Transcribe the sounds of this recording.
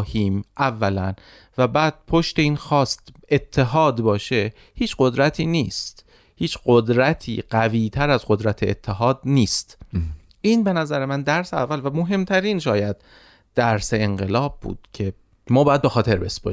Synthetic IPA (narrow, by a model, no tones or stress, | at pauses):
hiːmʔævːælæn | væbæːd̪̥̚pʰo̞ʃt̪e̞iːnxɒːst̪et̪ʰːe̞ɦɒːd̪bɒːʃe̞ | hiːt͡ʃɢo̞d̪ɾæt̪ʰiːniːst̪ | hiːt͡ʃɢod̪ɾæt̪ʰḭːɢæviːt̪ʰæɾæzɢod̪ɾæt̪ʰeet̪ʰːe̞ɦɒːd̪niːst̪ | ʔiːnbe̞næzæɾemænd̪æɾseæ̰vːælvæmoɦe̞mt̪ʰæɾiːnʃɒːjæd̪̥̚ː | æɾse̞eŋɢe̞lɒːb̚ːṵːd̪̥cʰe̞ | mɒːbɒːjæd̪be̞xɒːt̪ʰe̞ɾbe̞sbo̰